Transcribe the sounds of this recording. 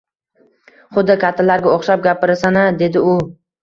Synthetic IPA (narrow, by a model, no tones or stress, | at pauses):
χʊd̪ːɪkʲʰat̪ʰːalaɾɡʲaoχʃap̚ɡʲapʰɪɾɪsanɪd̪e̞d̪ɪʊ